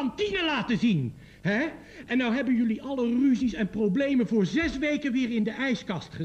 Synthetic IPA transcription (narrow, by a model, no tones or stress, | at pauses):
ɑntinəlaːtəzin | ɦɛ | ʔɛnːɑwɦɛbənjɵliʔɑləryzisɛnprowblejmənvʊːɹzɛsʋejkənʋɪːɹɪndəʔɛjskɑstχə